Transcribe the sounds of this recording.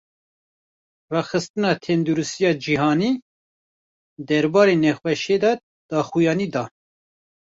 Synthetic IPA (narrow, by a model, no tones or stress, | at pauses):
rɑːxɨst̪ɨnɑːt̪ʰɛnd̪uɾusijɑːd͡ʒiɦɑːniː | d̪ɛɾbɑːɾenɛxʷwɛʃeːd̪ɑ | d̪̥ɑːxujɑːniːd̪ɑː